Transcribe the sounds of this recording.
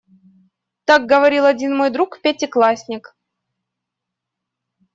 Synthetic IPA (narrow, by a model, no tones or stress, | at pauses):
t̪aɡ̚ɡəvɐɾʲilˠɐdʲinmo̞jd̪ɾukpʲatʲɪklˠasʲnʲɪk